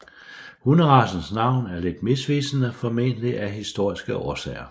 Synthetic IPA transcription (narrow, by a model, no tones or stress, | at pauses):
hunəʁɑ̈sn̩snɑ̈ʊ̰næɐle̝d̥mesʋiːsənəfɒme̝nəliʔæɦisd̥o̝ɐ̰isɡ̥əʔɒːsɛ̰ːɪɐ